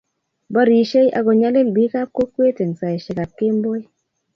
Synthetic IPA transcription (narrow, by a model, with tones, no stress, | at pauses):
bɔ˦ɾi˨ʃe˦jʔa̰˨ɡɔ˨ɲa˦lɪ˦m˨bi˦ka˦p̚ko˦kwe˦te˨ŋ˨sa˨e˨ʃɪ˨ka˨p̚kɪ˦mbo˦j